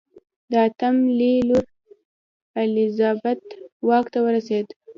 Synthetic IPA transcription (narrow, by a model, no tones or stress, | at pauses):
d̪əat̪amliluɾ | əlɪzɑbat̪wɑkt̪awəɾased̪